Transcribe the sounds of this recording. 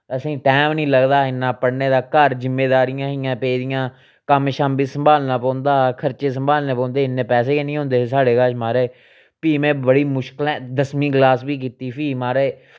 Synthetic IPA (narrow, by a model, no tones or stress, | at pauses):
əsĩːʈɛːmnĩːləɡd̪aːɪnːãːpəɽneːd̪aːkəɾzɪmːeːd̪aːɾɪjãːɦɪjãːpeːd̪ɪjãː | kəmʃaːmbiːsəmbaːlnãːpɔ̃ːnd̪aːkʰəɾt͡ʃeːsəmbaːlneːpɔ̃ːnd̪eːɪnːẽːpɛːs̬eːkenĩːɦõːnd̪eːsaːɽeːkaːʃmaːɾeː | piːmẽːbəɽiːmʊʃkəlɛ̃ːd̪əsmĩːɡlaːsbiːk̬iːt̪iːpʰiːmaːɾeː